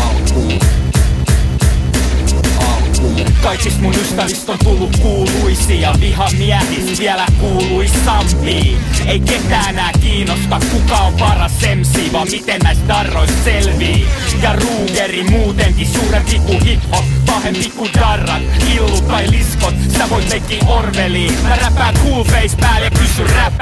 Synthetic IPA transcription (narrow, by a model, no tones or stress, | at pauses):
ɑkuː | ɑlkuːkɑikːist̪munyst̪æʋist̪ont̪ulːukkuːluisijɑʋihɑmiæhisʋiælækuːluisɑmpiːeiket̪æːenæːkiːnost̪ɑkkukɑoʋʋɑrɑsːemsiːʋɑːmmit̪ennæsd̪ɑrːoisselʋiːjɑruːkerimuːt̪eŋkissuːrempikuhit̪hopɑhempikud̪ɑrːɑt̪ilːut̪tɑiliskot̪sit̪æʋoit̪meŋkːiːʔʔorʋeliːjɑræpæːtkuːlpeispæːljɑkysyræp